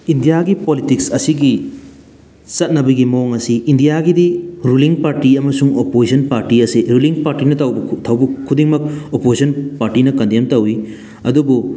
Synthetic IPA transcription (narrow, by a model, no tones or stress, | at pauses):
indijaɡipolitiksɐsiɡi | sɐt̚nɐbɐɡimɐoŋɐsiːndijaɡidiɾuliŋpaɾtiɐmɐsuŋopozsɐnpaɾtiɐsiɾuliŋpaɾtinɐtɐwbɐtʰɐwbɐkʰːudiŋmɐk̚opoisɐnpaɾtinɐkɐndemtɐwi | ɐ̰dubu